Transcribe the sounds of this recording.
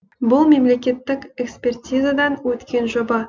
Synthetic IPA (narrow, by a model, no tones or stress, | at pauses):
bʊlˠme̞mle̞kʲe̞t̪ːɪkʲekspʲe̞rt̪ʲijzad̪ɑnwɵt̪kʲe̞nʒobɑ